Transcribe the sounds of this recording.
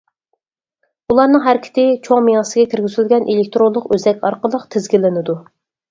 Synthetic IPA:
ulˠɑɾnɨŋɦæɾɪkʲʰɪ̥t̪ʰɪt͡ʃʰoŋmij̪ɑsɨɡʲɛkʲʰɪɾɡʲyzylɡʲɛnʔelɪk̚ʲt̪ɾonlˠəqøzɛkʲɑɾqəlˠəqt̪ʰɪzɡʲilɪnɪd̪u

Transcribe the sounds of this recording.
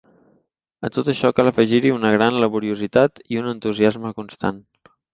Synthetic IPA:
ə̰t̪ot̪əʃɔkaləfəʒiɾiunəɣ̞ɾanləβuɾiuzit̪at̪iunənt̪uziazməkunst̪a̰n

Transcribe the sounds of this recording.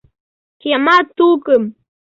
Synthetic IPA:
kjamat̪ukəm

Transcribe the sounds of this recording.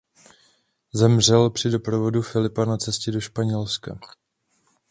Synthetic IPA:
zɛmr̝ɛlpr̝̥ɪdo̞pɾovo̞dufɪlɪpanat͡sɛscɛdo̞ʃpaɲɛlska̰

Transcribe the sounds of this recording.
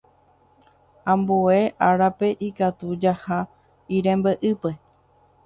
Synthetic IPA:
ãmbue̞ʔaɾape̞ʔikat̪ud͡ʒaha | iɾẽmbeʔɨpe̞

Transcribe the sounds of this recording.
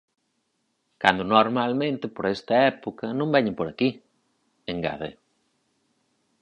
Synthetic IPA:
kand̪onoɾmalmẽnt̪ɪpoɾɛst̪ɐɛpokɐnũmbɛɲepoɾaki | eŋɡa̰ðḛ

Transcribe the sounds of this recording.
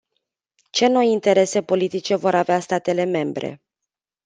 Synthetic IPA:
t͡ʃe̞no̞jint̪e̞ɾe̞se̞po̞lit̪it͡ʃe̞vo̞ɾaveast̪at̪e̞le̞me̞mbɾe̞̰

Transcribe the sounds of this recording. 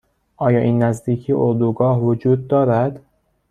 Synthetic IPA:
ʔɒːjɒːʔiːnːæzd̪iːcʰiʔoɾd̪uɡɒːhvod͡ʒuːd̪̚ːɒːɾæd̪̥

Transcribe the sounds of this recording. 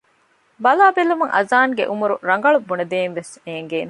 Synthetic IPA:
bɐlaːbelːumuŋʔɐ̰zaːŋɡḛʔumuɾuɾɐŋɡɐɭubːuned̪eːnʋeseːŋɡeːne

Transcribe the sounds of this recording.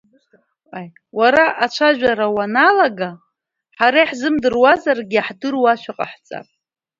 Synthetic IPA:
aj | waɾaʔat͡ʃʷʰaʒʷᶣaɾawanalaɡa | ħaɾaħzɨmdɨrwazarɡʲiaħdɨrwaʃʷᶣaqʼaħt͡sʼa̰pʼ

